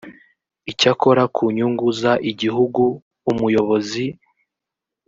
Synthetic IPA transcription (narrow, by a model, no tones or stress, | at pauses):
icako̞ɾakʰuɲuŋɡuzaʔiɟiɦuɡuː | mujo̞βo̞zi